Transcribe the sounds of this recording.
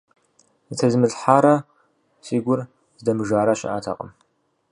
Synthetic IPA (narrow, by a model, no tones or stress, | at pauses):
itʰɐzmɨɮħaːɾɐ | siːɡʷʊr | zdɐmɨʒaːɾaɕɪ̰ʔa̰tʰa̰qʼə̰m